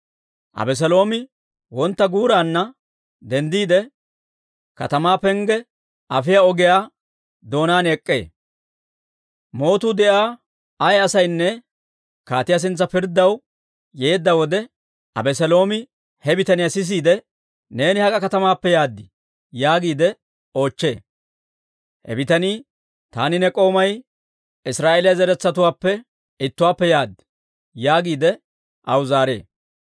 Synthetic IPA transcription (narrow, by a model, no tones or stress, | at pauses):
ʔɐ̰bɛs̬ɛlo̞ːmɪ | wɔnt̪ːɐɡuːɾaːnːɐ | d̪ɛnd̪iːd̪ɛ | kɐ̰t̪ɐmaːpɛŋɡɛ | ʔɐfɪjaɔɡɪjaː | d̪o̞ːnaːnɛkʼːḛː | mo̞ːt̪uːd̪ɛʔaː | ɐjɐsɐjnːɛ | kaːt̪ɪjas̬ɪnt͡sːɐpɪɾd̪ːɐw | jeːd̪ːɐwɔd̪ɛ | ʔɐ̰bɛsɛlo̞ːmɪ | hɛbɪt̪ɐnɪjɐsɪs̬iːd̪ɛ | ne̞ːnɪhɐkʼɐkɐt̪ɐmaːpːɛjaːd̪ːɪ | jaːɡiːd̪ɛ | o̞ːt͡ʃːe̞ː | hɛ̰bɪt̪ɐniː | t̪aːnɪnɛkʼo̞ːmɐj | ɪsɾaːʔeːlɪjɐzɛɾɛt͡sːɐt̪ʊwaːpːɛ | ɪt̪ːʊwaːpːɛjaːd̪ːɪ̥ | jaːɡiːd̪ɛ | ʔɐwʊzaːɾe̞̰ː